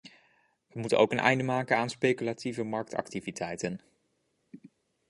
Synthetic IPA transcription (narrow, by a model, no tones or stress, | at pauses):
ʋəmutə̰nowkənʔɛ̰jndəmaːkənaːnspejkylativəmɑɹk̚tɑ̰ktivitʰɛjtən